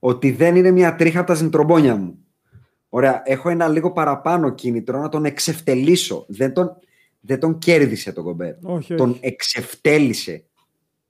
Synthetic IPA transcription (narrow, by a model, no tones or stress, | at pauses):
o̞t̪iðe̞nine̞mɲɐt̪ɾixɐpot̪ɐs̬int̪ɾo̞bo̞ɲɐmu | o̞ɾe̞ɐʔe̞xo̞e̞nɐliɣo̞pɐɾɐpɐno̞cinit̪ɾonɐt̪o̞ne̞kse̞ft̪e̞liso̞̰ðe̞nt̪o̞n | ðed̪o̞ɲce̞ɾðise̞t̪o̞ɡo̞bḛɾt̪o̞ne̞kse̞ft̪e̞lise̞̰